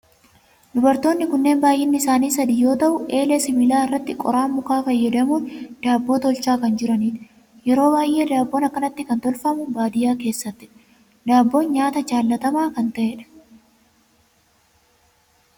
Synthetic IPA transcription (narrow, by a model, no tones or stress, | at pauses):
d̪ʊbɐɾt̪oːnːɪkʊnːe̞ːmbaːjʔɪnːɪɪsaːniːsɐd̪iːjo̞ːt̪ɐʔʊʔe̞ːlɛsɪmɪlaːɪrːɐt̪ːɪkʼɔ̰ɾaːmːʊkaːfɐjːɐd̪ɐmuːnd̪̥aːbːo̞ːt̪ɔlt͡ʃaːkɐnd͡ʒɪɾɐniːt | jɛɾo̞ːbaːjʔe̞ːd̪aːbːo̞ːnɐkːɐnɐt̪ːɪkɐnt̪ɔlfɐmʊbaːd̪ɪjaːke̞ːsːɐt̪ːɪ | d̪aːbːo̞ːnɲaːt̪ɐd͡ʒaːlːɐt̪ɐmaːkɐnt̪ɐʔeᶑɐ̥